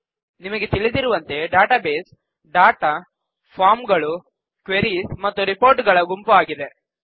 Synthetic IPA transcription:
nimɐɡet̪iɭid̪iɾuʋɐnt̪e̞ɖaːʈaːbeːs | ɖaːʈa | pʰaːɾmɡɐɭu | kʋeɾismɐt̪ːuɾipoːɾʈɡɐɭɐɡumpuaːɡid̪e̞

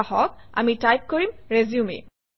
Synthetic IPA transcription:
hɔk̚a̰mitajp̚koɹimɹeziumḭ

